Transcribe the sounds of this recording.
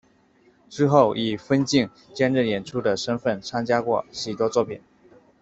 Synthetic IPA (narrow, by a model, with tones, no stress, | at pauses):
ʈ͡ʂɻ̩˥xo˥˩ʊʔi˨˩fə˥nt͡ɕi˥˩ŋ | t͡ɕjɛ˥˧nɻ̩˥˩jɛ˨˩nʈ͡ʂʰu˥d̪ə˨ʂə˥nfə˥˩nt͡sʰa˥nt͡ɕja˥kwɔ˥˩ɕy˨˩t̪wɔ˥t͡swɔ˥˩pʰi˨˩n